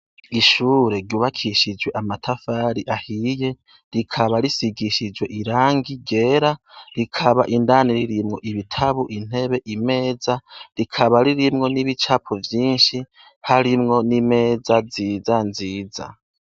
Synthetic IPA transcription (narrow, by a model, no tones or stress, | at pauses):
iʃuːɾe̞ɾɟuːβakʰiʃid͡ʒwe̞ʔamatʰafaːɾiʔahije̞ | ɾikʰaβaɾisiɡiʃid͡ʒwe̞ʔiɾaːŋɡiɟe̞ːɾaɾikʰaβaʔindaːniɾiɾimŋo̞ʔiβitʰaβuʔin̥he̞βe̞ʔime̞ːzaɾikʰaβaɾiɾimŋo̞niβit͡ʃaːpʰovjiːnʃi | haɾimŋo̞nime̞ːd͡zaziːzanziːza̰